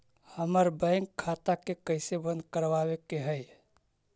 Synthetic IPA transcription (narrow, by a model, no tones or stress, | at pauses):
həməɾbə̃ɪŋkʰːat̪akekəɪsebə̃nd̪̚kəɾʋawekeɦəj